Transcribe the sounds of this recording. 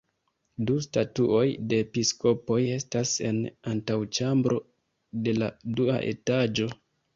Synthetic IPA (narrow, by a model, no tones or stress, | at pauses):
dustatuʔo̞jde̞pisko̞po̞je̞stase̞̰nantawt͡ʃambɾo̞ | de̞ladua̰ʔe̞̰tad͡ʒo̞